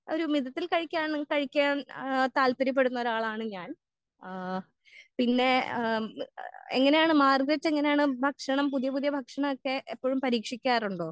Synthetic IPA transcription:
o̞ɾumiðɐt̪ːilkɐɻikʲːaːɳkɐɻikʲːaːnt̪aːlpɐɾip̬ːe̞ɽunːɐoɾaːɭaːɳɨɲaːn | pinːe̞ | ḛŋːɐnejaːɳɨmaːrɡɾɐt͡ɕːeŋːɐnejaːɳɨbʱɐkʂɐɳɐmpuðijɐpuðijɐbʱɐkʂɐɳɐmokːe̞ʔːpːoːɻumpɐɾiːkʂikʲːaːɾuɳɖoː

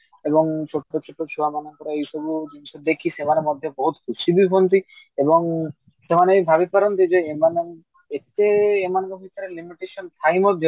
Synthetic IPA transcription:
ebɔŋt͡ʃʰoʈːot͡ʃʰoʈːot͡ʃʰuamanɔŋkɔɾeejʃɔbud͡ʒinisɔd̪ekʰisemanemɔd̪ʱjobɔɦut̪kʰusibipʰont̪i | ebɔŋ | semanejbʱabipaɾɔnt̪id͡ʒeemane | et̪eːmanekɦit̪ʰaɾelimiʈeʃɔnt̪ʰajmɔɾd͡ʒ

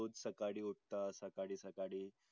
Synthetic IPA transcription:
od͡zsəkaɽiːuʈ̚t̪asəkaɽiːsəkaɽiː

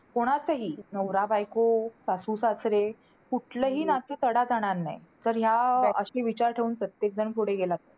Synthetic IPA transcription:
koɽ̃at͡səɦiːnəwɾabajkosasusasɾe | kuʈʰləɦiːnat̪ət̪əɽad͡zaɽ̃aɾna̰jd͡zəɾɦjaəɕeʋit͡ɕaɾʈʰeuːnpɾət̪jek̚d͡zəɳpuɽeɡelat̪ə

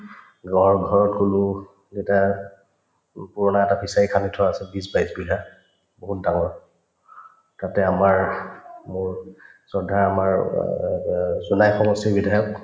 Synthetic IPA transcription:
ɡɔɹɡʱɔɹɔtkulʊ | zeta | puɹɔnaɛtabʰisaikʰanitʰʊaasɛbisbajsbiɦa | boɦut̚daŋɔɹ | tatɛamaɹmʊɹsɔdʱaɹamaɹ | zunajxɔmɔsibidʱajɔk

